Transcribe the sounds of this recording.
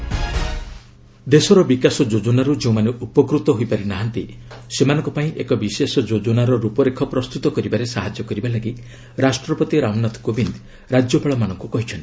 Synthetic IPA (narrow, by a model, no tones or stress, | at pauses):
d̪esɔɾɔbikasɔd͡ʒod͡ʒɔnaɾud͡ʒeũmaneʔupɔkɾut̪ɔɦojpaɾinaɦant̪isemanɔŋkɔpaĩʔekɔbisesɔd͡ʒod͡ʒɔnaɾɔɾupɔɾekʰɔpɾɔst̪ut̪ɔkɔɾibaɾesaɦad͡ʒjɔkɔɾibalaɡi | ɾasʈɾɔpɔt̪iɾawnat̪ʰkobind̪ | ɾad͡ʒjɔpaɭɔmanɔŋkukɔɦit͡ʃʰɔnt̪i̥